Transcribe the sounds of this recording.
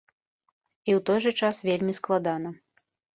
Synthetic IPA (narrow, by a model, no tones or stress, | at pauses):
iwt̪ɔjʐɨt͡ʂasvʲelʲmʲisklˠad̪anɐ